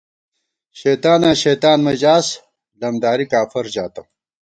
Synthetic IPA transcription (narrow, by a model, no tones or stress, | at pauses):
ɕejt̪aːnaːɕeːt̪aːnmɐd͡ʑaːs | lɐmd̪aːɾikaːfɐɾd͡ʑaːt̪ɐm